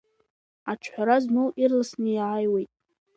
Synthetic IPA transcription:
at͡ʃʰħʷᶣaɾaznowʔirlasnɨjʕajwejtʼ

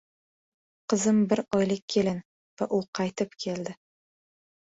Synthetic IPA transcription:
qʰɨzɪmbɪɾɒjlɪk̚ʲʰːe̞lan | vaʔʊqʰɑjt̪ʰɪpkʲʰe̞ld̪ɪ

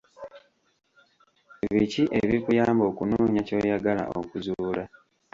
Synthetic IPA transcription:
βiciʔe̞βikujaːmbo̞ːkunuːɲaco̞ːjaɡala̰ʔo̰kuzuːla

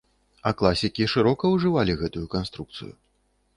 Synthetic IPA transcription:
ɐklˠasʲikʲiʂɨɾɔkɐwʐɨvalʲiɣɛt̪ujukanst̪ɾuk̚t̪sɨ̰jṵ

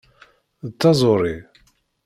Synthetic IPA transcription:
ðt̪ːɑzˤoɾˤi

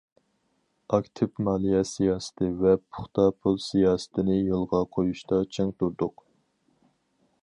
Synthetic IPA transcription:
ɑkʲt̪ʰɪpmɑːlˠijɛsijɑːsɪ̥t̪ʰɪvɛpʰʊ̥χt̪ɑpʰulˠsijɑːsə̥t̪ʰɪnɪjolˠʁɑqʰojuʃt̪ɑt͡ʃʰeŋt̪uɾd̪ʊq

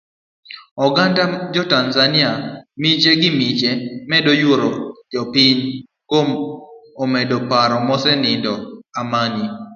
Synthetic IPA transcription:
ɔɡandad͡ʒɔtanzanɪamit͡ʃeɡɪmit͡ʃemɛdojoɾod͡ʒɔpiɲ | komɔmɛdɔpaɾɔmɔsɛnɪndɔamani

